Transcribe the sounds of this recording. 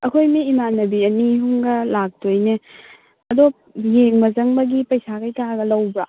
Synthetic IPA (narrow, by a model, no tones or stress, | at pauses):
ɐkʰojmiːmanɐbiɐniɦuŋɡɐlak̚tojne | ɐdo | jeŋmɐzɐŋbɐɡipɐjsakajtaɡɐlɐwbɾa